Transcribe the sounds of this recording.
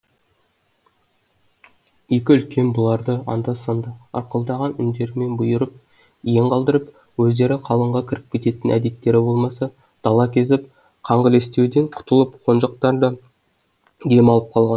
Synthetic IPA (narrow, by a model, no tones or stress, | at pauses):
je̞kʲɪʏlkʲe̞nbʊlˠɑɾd̪əɑ̰nd̪ɑsənd̪ɑɑ̰ɾqəlˠd̪ɑʁɑnʏnd̪e̞ɾɪme̞nbʊjəɾəp̚ | ijeɴqʰɑlˠd̪əɾəp | wɵzd̪e̞ɾɪqʰɑlˠəɴʁɑkʲʰɪɾɪp̚kʲʰe̞t̪e̞t̪ɪnʔæd̪e̞t̪ːe̞ɾɪbo̞lˠmɑsɑ | d̪̥ɑlˠɑkʲʰe̞zɪp̚ | qʰɑɴʁəle̞st̪e̞wd̪e̞ɴqʰʊ̥t̪əlˠəpqʰo̞nʒɑq̚t̪ɑɾd̪ə | d̪e̞mɑlˠəp̚qʰɑlˠʁɑn